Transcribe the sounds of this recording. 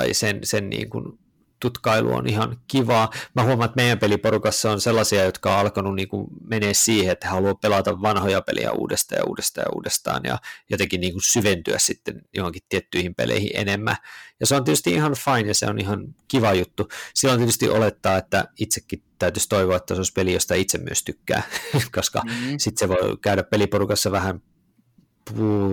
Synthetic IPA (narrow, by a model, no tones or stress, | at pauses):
isensennḭːŋkṵn | t̪ut̪kɑilṵo̰nihɑnkiʋɑːmæhuomɑet̪meijæmpelipoɾukɑsseonselːɑsiɑjot̪kɑo̰ɑlkonunniːŋkummeneːssiːheet̪ːæhɑluɑpelɑt̪ɑʋːɑnhojɑpḛlḭjæ̰ṵːdest̪ɑ̰ːjɑ̰ṵːdest̪ɑ̰ːjɑ̰ṵːdest̪ɑ̰ːnjɑ̰jot̪eŋkinniːŋkunsyʋent̪yæ̰ssit̪ːenjohoŋkit̪t̪iet̪ːyihimpḛlʔḛihḭ̃ʔḛnemːæ̰jɑseonet̪yst̪iʔihɑnfɑinjɑsḛo̰nihɑnkiʋɑjut̪ːusilːont̪iet̪yst̪ḭʔolet̪ːɑːet̪ːæit̪sekːit̪æyt̪yst̪oiʋoːet̪ːæseospelijost̪æit̪semmyøst̪ykːæ̰ːkoskɑ̰sit̪seʋoikæyɾæppelipoɾukɑsːɑʋæhæn | puː